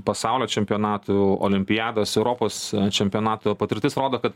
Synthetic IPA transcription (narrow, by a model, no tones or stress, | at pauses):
pɐsɑˑʊlʲoːt͡ʃʲɛmʲpʲɪjoːnɑːt̪uo̰ːlʲɪmʲpʲɪjɑːd̪oːsɛʊɾoːpoːst͡ʃʲɛmʲpʲijoːnɑːt̪ʊpɐt̪ʲɪɾʲt̪ʲɪsɾoːd̪oːkɐt̪